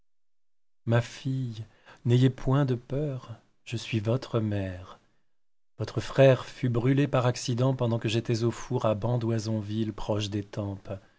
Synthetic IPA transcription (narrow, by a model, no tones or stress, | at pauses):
mafij | nejepʰwɛ̃d̪əpœʁ | ʒ̥əsɥivɔt̪χəmɛʁ | vɔt̪χəfχɛʁfybʁylepaʁaksid̪ɑ̃pɑ̃d̪ɑ̃kəʒet̪ɛzofuʁabɑ̃d̪wazɔ̃vilpχɔʃd̪et̪ɑ̃p